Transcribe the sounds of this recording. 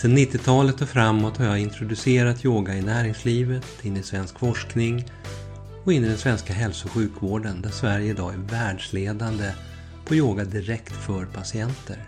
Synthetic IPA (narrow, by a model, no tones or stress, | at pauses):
sɛnːɪt̪ʰːɪt̪ʰɑːlət̪ʰːɔfɾamːɔt̪haɾjɑɪnt̪ɾʊd̪ɵseːɾat̪ʰjoːɡaɪnæːɾɪŋsliːvət̪ʰɪnːɪsvɛnskfɔʂknɪŋ | ɔɪnːɪd̪ɛnsvɛnskaɦɛlsʊɧʉ̟ːkvoːɖənd̪æsvæɾjəɪd̪ɑːæɾvæːɖʂleːd̪and̪ə | pʰɔjoːɡad̪ɪɾɛkt̪fœɾpʰasɪɛnt̪ʰə̰ɾ